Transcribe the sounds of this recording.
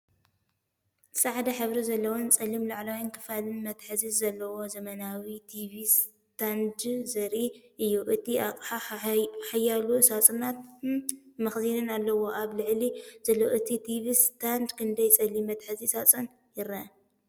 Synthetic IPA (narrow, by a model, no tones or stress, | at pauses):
sʼaʕd̪ɐħɨβɾizɐlːɐwont͡sʼɐlimlaʕlawinkʰɨ̥falɨnmɐt̪ħɨzizzɐlːɐwo̞zɐmɐnawit̪ʰivis | t̪ʰand̪zɐɾiʔɨjːuʔɨt̪iakʼħaħajːalusat͡sʼɨnat̪ | mɐxzinɨnalːɐwo̞ʔaβlɨʕliz̥ɐlːɐʔɨt̪ʰit̪ʰivist̪ʰand̪kʰɨnd̪ɐjt͡sʼɐlimɐt̪ħɨzisat͡sʼɨn | jɪɾɐ